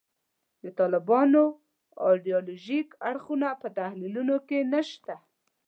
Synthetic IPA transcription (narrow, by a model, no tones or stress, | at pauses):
d̪ət̪ɑlɪbɑno | ɑ̰ɖijoloʒikaɽxunapət̪ahlilunokenəʃt̪a